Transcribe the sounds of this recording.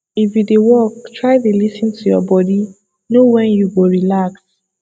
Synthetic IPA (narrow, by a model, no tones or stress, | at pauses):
ifjudewɔk̚tɹaɪdelisĩntʰujɔ̰bɔdi | nowɛ̃njuɡoɹilaks